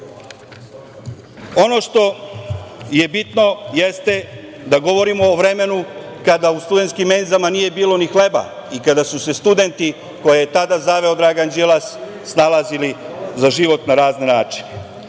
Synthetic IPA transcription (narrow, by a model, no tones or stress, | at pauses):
o̞no̞ʃt̪o̞ | je̞bit̪no̞jest̪e̞ | d̪aɡo̞ʋo̞ɾimo̞ːʋɾe̞me̞nu | kad̪aust̪ud̪e̞nt̪skimːenizamanije̞biːlo̞nixle̞ba̰ | ikad̪asuse̞st̪ud̪e̞nt̪i | ko̞jejet̪ad̪azaʋe̞o̞d̪ɾaːɡand͡ʒelasː | nalazili | zaʒiʋo̞t̪naɾaːznenaːt͡ʃi̥ne